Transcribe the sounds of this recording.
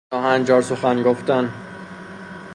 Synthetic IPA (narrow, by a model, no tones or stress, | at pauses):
ɒːɦænd͡ʒɒːɾsoxænɡoft̪æn